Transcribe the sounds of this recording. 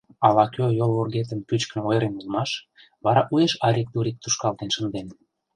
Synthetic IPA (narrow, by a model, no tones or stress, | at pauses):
ɑlɑkʰøjolβorɣet̪əmpyt͡ɕknɤojɾenulˠmɑʃ | βɑɾɑʔujeʃɑɾʲik̚t̪uɾik̚t̪uʃkɑlt̪enʃə̆nd̪en